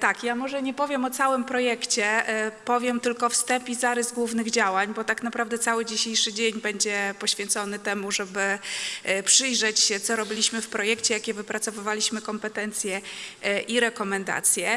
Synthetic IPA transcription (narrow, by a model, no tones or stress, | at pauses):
t̪akjamɔʐɛɲɛpɔvʲjɛmɔt̪sawɘmpɾɔjɛkt͡ɕɛpɔvʲjɛmt̪ɘlkɔfst̪ɛmpʲizaɾɘzɡwuvnɘɣd͡ʑawaɲbɔt̪aknapɾavd̪ɛt̪sawɘd͡ʑiɕejʂɘd͡ʑeɲbɛɲd͡ʑɛpɔɕfʲjɛ̃nt̪sɔnɘt̪ɛmuʐɛbɘ | pʂɘjʐɛt͡ɕɕɛt̪sɔɾɔbʲilʲiɕmɘfpɾɔjɛkt͡ɕɛjakʲɛvɘpɾat̪sɔvɘvalʲiɕmɘkɔmpɛt̪ɛnt̪sʲjɛʔiɾɛkɔmɛnd̪a̰t̪sʲjɛ